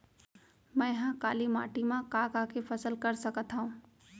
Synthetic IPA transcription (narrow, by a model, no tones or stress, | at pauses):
mɛ̃ːɦãkaːlima̰ːʈimãkaːkaːkefʰɐsəlkɐɾsəkət̪ɦaɦũː